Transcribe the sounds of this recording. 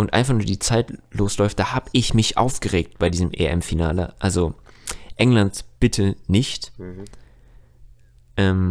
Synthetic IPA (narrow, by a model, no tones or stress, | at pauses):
ʔʊntʔa̰ɪnfaχnuːɐdiːt͡saɪtloːslɔʏftd̥aːhaːbəʔɪçmɪçʔa̰ʊfɡ̥əʁeːk̚t̚b̥aɪdiːzəmʔḛʔɛ̰mfina̰ːləʔalzoʔɛŋlantb̥ɪtʰənɪçt | ʔɛːm